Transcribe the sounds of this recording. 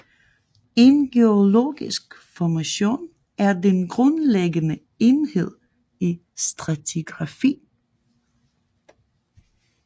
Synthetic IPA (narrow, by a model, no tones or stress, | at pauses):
e̝nɡ̥eolo̝̰ːɡ̥isɡ̥fɒmæɕo̝̰ːn | æɐdenɡ̥ʁɔ̽nleɡənə | e̝nhe̝ð̞̰ˠ | i | sd̥ʁat͡sʰiɡ̥ʁɑ̈fḭː